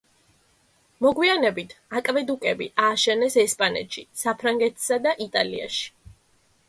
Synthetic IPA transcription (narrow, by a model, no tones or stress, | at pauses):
mɔɡwianɛbit̪ʰakʼvɛd̪ukʼɛbḭʔaːʃɛnɛsɛspʼanɛ̰t̪ʃisapʰɾaŋɡɛt̪ʰsad̪aʔit̪ʼalḭa̰ʃi̥